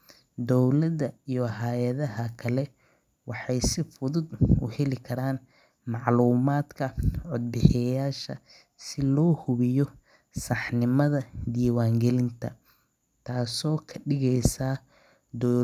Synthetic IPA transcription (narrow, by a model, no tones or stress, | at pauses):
d̪ɔwlɐdɐijɔɦajɐðɐɦɐkʰɐlɛ | wɑħɑjsɪfʊðʊd̪ʊ̰hɛlɪkʰɐɾaːn | mɑʕluːmaːd̪kʰɐʕʊd̪̚bɪħɪjaːʃɐ̰ | sɪlɔːhʊβɪjɔ | sɑħnɪmɐðɐd̪iːwaːŋɡɛlɪnt̪ʰɐ̰ | t̪ʰaːsɔːkʰɐɖɪɣɛjsaː | d̪ɔ